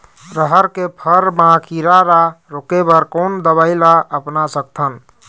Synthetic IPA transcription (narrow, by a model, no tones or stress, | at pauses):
pɾəɦəɾkepʰəɾbãkʰiɾaɾaɾokebəɾkond̪əbaɪlaʔəpnasək̚t̪ʰən